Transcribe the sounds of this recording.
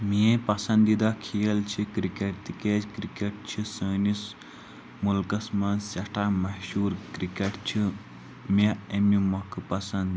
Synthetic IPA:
miẽpɐsɐ̃nd̪id̪akʰijɐlt͡ʃʰikɾikeʈt̪iked͡ʒkɾikeʈ̚t͡ʃʰisəːnis | mulkɐsmɐnsɐʈʰaːmɐhʃuːɾkɾikeʈt͡ʃʰi | meemimɐkɨpɐsɐnd̪

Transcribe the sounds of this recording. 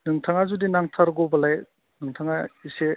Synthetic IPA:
nɯŋtʰaŋazudinaŋtʰaɾɡɔwbɐlaj | nɯŋtʰaŋaise

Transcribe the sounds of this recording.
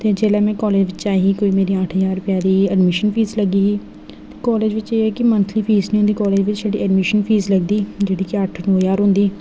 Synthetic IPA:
t̪eːd͡ʒeːlɛːmɛ̃ːkɔːleːd͡ʒʋɪt͡ʃt͡ʃaːiɦiːkoːiːmeːɾiːəʈʰɦəzaːɾʊpjaːd̪iːɛɖmɪʃənpʰiːzləɡiːiː | t̪eːkɔːleːd͡ʒʋɪt͡ʃeːɛːkɪmənt̪ʰliːpʰiːznĩːõnd̪iːkɔːleːd͡ʒʋɪt͡ʃsəɖiːɛɖmɪʃənpʰiːzləɡd̪iːd͡ʒeːɽiːkɪəʈʰnoːjaːɾɦʊ̃nd̪iː

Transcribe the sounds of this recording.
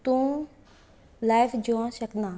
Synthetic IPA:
t̪ũː | laːjfʰd͡ʒoãːsəknãː

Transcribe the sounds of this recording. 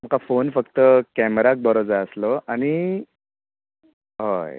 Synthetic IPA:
m̤əkafonfəkt̪əkɛmɾak̚bəɾod͡zaəslɔañi | ɦoj

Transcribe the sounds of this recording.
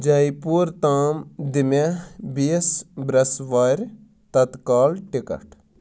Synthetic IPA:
d͡ʒɐjipuːɾt̪aːmd̪ɪmebisbɾɐsʋaːɾʲ | t̪ɐt̪kaːlʈɪkɐ̰ʈ

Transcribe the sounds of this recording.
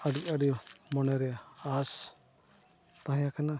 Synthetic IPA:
aɽiaɽimɔnɛɾɛas | t̪aɦjakana

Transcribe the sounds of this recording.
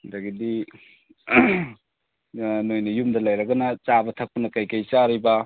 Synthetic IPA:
dɐɡidi | nojnɐjumdɐlɐjɾɐɡɐnɐt͡ʃabɐtʰɐk̚pɐnɐkɐjkɐjt͡ʃaɾibɐ

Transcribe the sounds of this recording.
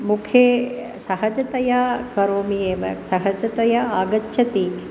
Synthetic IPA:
mukʰje | sɐɦɐd͡ʒɐt̪ɐjakɐɾoːmijeːʋɐ̰sɐɦɐd͡ʒɐt̪ɐjɐaːɡɐtːʃʰɐt̪i

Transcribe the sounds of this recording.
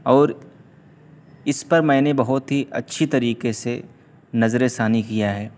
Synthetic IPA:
ɔːɾ | ɪspɐɾmɛ̃ːnebɐɦʊt̪ɦiʔɐ̰tːʃʰit̪ɐɾiːkese | nɐzɾesaːnikijaɦɛː

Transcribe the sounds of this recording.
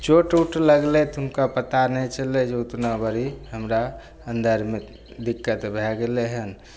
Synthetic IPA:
t͡ʃoʈuʈləɡlet̪ʊnkapət̪anɛt͡ʃəled͡ʒeut̪nabəɾihəmɾa | ənd̪ʱəɾme | d̪ikːət̪bʱɛɡeleɦən

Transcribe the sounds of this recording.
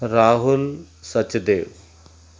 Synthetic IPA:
ɾaːɦʊl | sət͡ʃd̪eːʋ

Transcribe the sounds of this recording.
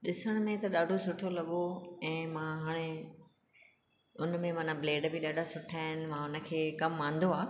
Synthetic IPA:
ɗɪsəɽ̃ʊ̆mẽt̪ɐɗaːɖʱosʊʈʰolɐɠoɛ̃ːmãɦaːɽ̃e | ʊnmẽmɐnableːɖbɪɗaːɖʱasʊʈʰaːɦɪnɪ̆ʋãʊnə̆kʰeːkɐmːãːn̆d̪oaː

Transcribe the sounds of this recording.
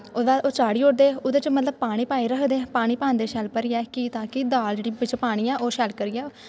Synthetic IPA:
oːd̪aːʔoːt͡ʃaːɽiːoɽd̪eːʊd̪eːt͡ʃmət̪ləbpaːɽ̃iːpaːiːɾəkʰd̪eːpaːɽ̃iːpãːnd̪eːʃɛːlpəɾɪːɛːkiːt̪ãːkɪd̪aːld͡ʒeːɽiːʋɪt͡ʃpaːɽ̃iːɛːʔoːʃɛːlkəɾiːɛː

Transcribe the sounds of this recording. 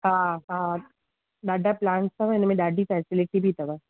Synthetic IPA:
ɦãɦã | ɖaɖaplãːɳʈsabanemɛ̃ɖaɖʱifɛsiliʈibʱit̪ɐba

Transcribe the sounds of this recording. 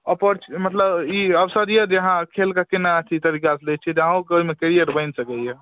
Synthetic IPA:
əpəɾt͡ʃʰmət̪ləbiəwsəd̪ijɛd͡ʒəɦãkʰelkakenat̪ʰit̪əɾikaslɛt͡ʃʰit̪ɦãokeoimekeɾijəʈbəɪnsəkɛje

